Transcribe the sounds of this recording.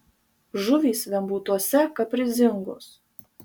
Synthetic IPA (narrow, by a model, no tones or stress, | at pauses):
ʒʊʋʲiːsʋʲɛmbuːt̪uɔsʲɛkɐpʲɾʲɪzʲɪŋɡo̰ːs